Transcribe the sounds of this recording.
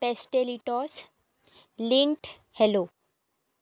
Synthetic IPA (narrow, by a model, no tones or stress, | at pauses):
pesʈeliʈɔs | liɳʈ | hɛlo